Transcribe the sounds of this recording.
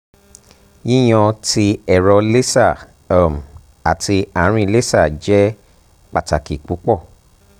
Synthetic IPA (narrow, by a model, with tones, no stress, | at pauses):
jĩ˦j̃ɔ̃˧ti˧ɛ˨ɾɔ˧le˦sa˦˨˦ | m̩˨ | a˨tʰi˧a˨˦ɾ̃ĩ˧le˦sa˦˨d͡ʒɛ˦ | k͡pa˨ta˨ki˨k͡pu˨˦k͡pɔ˦˨